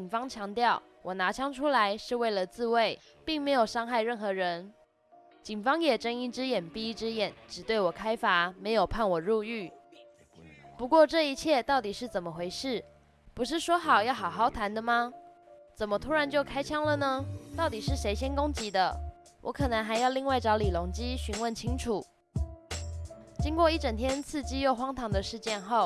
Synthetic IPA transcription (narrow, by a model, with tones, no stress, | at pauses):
i˨˩ŋfɑ˥ŋt͡ɕʰjɑ˧˥ŋt̪jɑ˥˩ʊ | wʔɔ˨˩na˧˥t͡ɕʰjɑ˥ŋʈ͡ʂʰu˥la˧˦ɪʂɻ̩˥˧we˥˩ɪlə˩t͡sɹ̩˥˧we˥˩ɪ | pi˥˩ŋme˧˥ɪjo˨˩ʂɑ˥ŋxa˥˧ɪɻə˥˩nxɤ˧˥ɻə˧˦n | t͡ɕi˨˩ŋfɑ˥ŋjɛ˨˩ʈ͡ʂə˥ŋi˥ʈ͡ʂɻ̩˥jɛ˨˩npi˥ʈ͡ʂɻ̩˥jɛ˨˩˦nʈ͡ʂɻ̩˨˩t̪we˥˩ɪwɔ˨˩kʰa˥ɪfa˧˥˦me˧˥ɪjo˨˩ʊpʰa˥˩nwɔ˨˩ɻu˥˧y˥˩ | pu˧˦kwɔ˥˧ʈ͡ʂɤ˥˩i˧˥t͡ɕʰjɛ˥˧t̪ɑ˥˩ʊt̪i˨˩ʂɻ̩˥˩t͡sə˨˩mə˨xwe˧˥ɪʂɻ̩˥˩ | pu˧˥ʂ̬ɻ̩˥˩ʂwɔ˥xɑ˨˩ʊjɑ˥˩ʊxɑ˨˩ʊxɑ˥˩ʊt̪ʰa˧˥nd̪ə˧mɐ˨t͡sə˨˩nmə˦t̪ʰu˥ɻa˧˦nt͡ɕjo˥˩ʊkʰa˥ɪt͡ɕʰjɑ˥ŋlə˨nə˧t̪ɑ˥˩ʊt̪i˨˩ʂɻ̩˥˩ʂe˧˥ɪɕjɛ˥nkʊ˥ŋt͡ɕi˧˥d̪ə˧ | wʔɔ̰˧˥kʰɤ˨˩nə˧˥ŋxa˧ɪjɑ˥˧ʊli˥˧ŋwa˥˩ɪʈ͡ʂɑ˧˥ʊli˨˩lo˧˥ŋt͡ɕi˥ɕy˧˥nwə˥˩nt͡ɕʰi˥ŋʈ͡ʂʰu˨˩˦ | t͡ɕi˥ŋkwɔ˥˧i˥˩ʈ͡ʂə˨˩ŋt̪ʰjɛ˥nt͡sʰɹ̩˥˩t͡ɕi˥jo˥˩ʊxwɑ˥ŋt̪ʰɑ˧˥ŋd̪ə˧ʂɻ̩˥˧t͡ɕjɛ˥˧nxo˥˩ʊ